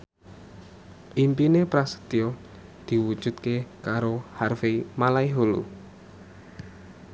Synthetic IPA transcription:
ʔimpinepɾasə̥d̪io | d̪̥i̤wud̥ʒ̥ṳt̪̚kekaɾoharfemalaiɦulṵ

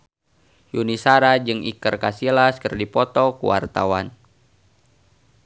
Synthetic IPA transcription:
junisaɾad͡ʒɨŋḭkərkasilaskərdipɔt̪ɔkuwa̰rt̪a̰wan

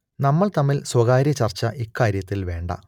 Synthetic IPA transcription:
nɐmːɐɭt̪ɐmːilswɐɣaːɾjɐt͡ɕɐrt͡ɕːɐʔikːaːɾjɐt̪ːilʋe̞ːɳɖɐ̰

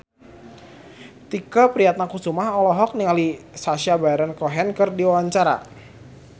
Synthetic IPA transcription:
t̪ikəpɾiat̪̚nakusumaɦɔlɔɦɔk̚niŋalisaʃiabaɾɛnkɔɦɛnkɨrdiwawaɲt͡ʃaɾa̰

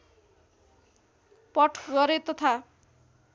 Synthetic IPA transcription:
pʌʈʰɡʌɾet̪ʌt̪ʰa

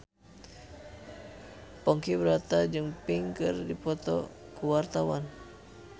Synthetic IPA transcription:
pɔŋkibəɾat̪ad͡ʒɨŋpiŋkɨrdipɔt̪ɔ̰ | kuwart̪awan

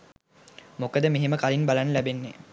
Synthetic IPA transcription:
mokəd̪əmeɦeməkalinbalanəlæbenːe

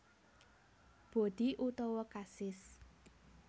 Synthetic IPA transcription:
b̥o̤d̪̥iʔut̪ɔwɔkasɪs

